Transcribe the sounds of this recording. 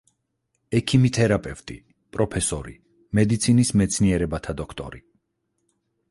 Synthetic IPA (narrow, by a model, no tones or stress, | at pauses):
ɛkʰimit̪ʰɛɾapʼɛvt̪ʼi | pʼɾɔpʰɛsɔɾḭ | mɛd̪it̪sʰinismɛt̪sʰniɛɾɛbat̪ʰad̪ɔkʰt̪ʼɔ̰ɾi